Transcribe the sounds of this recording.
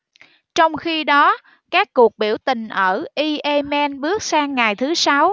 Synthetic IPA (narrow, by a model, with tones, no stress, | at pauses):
t͡ɕɔ˧wŋ͡mxi˧ɗɔ˨˦ | kaː˦˥kːu˨˩ək̚ɓi˧˩əwt̪ï˨˩ŋ̟ʔəː˧˩ʔi˧ʔe˧mɛ˧nɓɨ˦˥ək̚saː˧ŋːa˨˩jt̪ʰɨ˨˦sa˨˦w